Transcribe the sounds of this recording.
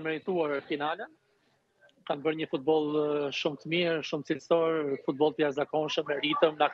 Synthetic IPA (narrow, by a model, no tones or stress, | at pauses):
mɛɾit̪uaɾfinalɛ | kanbəɾɲəfut̪̚bɔlˠʃumt̪əmiɾʃumt̪t͡siləsɔɾfut̪̚bɔlˠt̪əjazakɔnʃəmɛɾit̪əmnak